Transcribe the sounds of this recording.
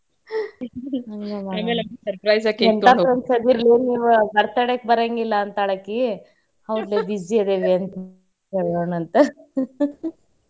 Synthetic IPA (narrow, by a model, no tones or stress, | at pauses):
ɐŋɡɐmaaːmelemsɐɾpɾɐjzakːɛnt̪apɾɐnsɐd̪iɾliniːʋubɐɾt̪ɐɽek̚bɐɾeŋɡilːɐːnt̪ɐɭɐkːi | hɐʋd̪leːb̪id͡ʒied̪eʋiɐnt̪ɐ | eɭjonɐnt̪ɐ